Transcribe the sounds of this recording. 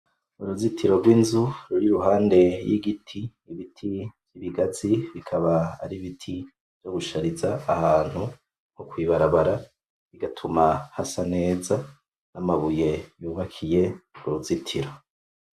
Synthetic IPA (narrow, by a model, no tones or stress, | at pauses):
uɾuzitʰiɾo̞ɾɡwiːnzuɾuɾiɾuɦaːnde̞jiɡitʰi | βitʰivjiβiɡat͡siβikʰaβaa̰ɾiβitʰi | v̥joɡuʃaɾizaːhaːn̥hu | ŋ̥hukwiːβaɾaβaɾa | iɡatʰumahasane̞ːza | namaβuje̞juːβakʰije̞uɾuzitʰiɾo